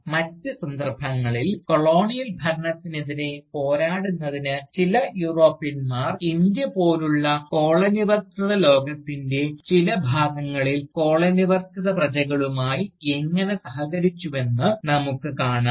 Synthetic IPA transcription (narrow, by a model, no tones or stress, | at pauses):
mɐtːɨsɐnd̪ɐrbʱɐŋːɐɭilko̞ɭo̞ːɳijɐlbʱɐɾɐɳɐt̪ːineðine̞po̞ːɾaːɽunːɐðinɨt͡ɕilɐjuːro̞ːpːijɐnmaːrind̪jɐpo̞ːluɭːɐko̞ːɭeniʋɐrt̪iðɐlo̞ːɡɐt̪ːinde̞t͡ɕilɐbʱaːɡɐŋːɐɭilko̞ːɭeniʋɐrt̪iðɐprɐd͡ʑɐɣɐɭumaːjieŋːɐne̞sɐɦɐɣɐɾit͡ɕːuʋe̞nːɨnɐmukːɨkaːɳa